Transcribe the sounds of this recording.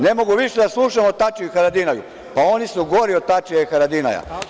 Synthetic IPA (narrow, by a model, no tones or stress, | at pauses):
ne̞mo̞ɡuʋiʃed̪aslˠuːʃamot̪at͡ʃiuxaɾad̪inajṵ | pao̞nisuɡo̞ɾiot̪at͡ʃiaixaɾad̪ina̰ja̰